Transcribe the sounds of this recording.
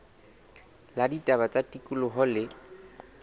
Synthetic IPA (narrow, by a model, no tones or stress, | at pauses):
laditʼabat͡sʼatʼikʼulʊɦɔlɪ